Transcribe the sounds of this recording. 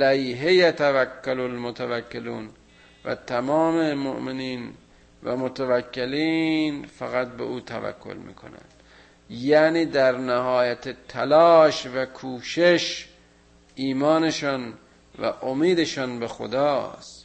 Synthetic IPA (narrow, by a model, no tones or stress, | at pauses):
læiɦejæt̪ʰævækːalolmot̪ʰævækːeluːn | væ̰t̪ʰæmɒːmemo̰ʔmeniːn | væ̰mot̪ʰævækʰːeliːnfæɣæt̪̚bḛʔuːt̪ʰæ̰væ̰kʰːo̰lmḭːkʰo̰næ̰nd̪ | jæːniːd̪æɾnæhɒːjæt̪ʰet̪ʰælɒːʃvækʰuːʃeʃ | iːmɒːneʃɒːn | væ̰ʔomiːd̪eʃɒːnbexo̰d̪ɒːst̪